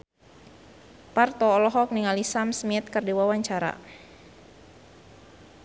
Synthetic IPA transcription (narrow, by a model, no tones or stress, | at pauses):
part̪ɔːlɔɦɔk̚niŋalisamsmiɛt̪̚kərdiwawaɲt͡ʃaɾa̰